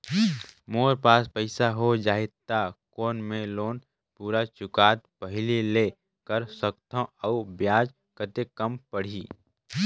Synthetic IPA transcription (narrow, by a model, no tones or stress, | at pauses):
moːɾpaːspəɪsaɦod͡ʒaːet̪ːakoːnmẽloːn | puːɾat͡ʃʊkaːt̪̚pəɦɪlileː | kəɾsəkt̪ʰə̃ɔubjaːd͡ʒ | kət̪ekəmpəɽ̤iː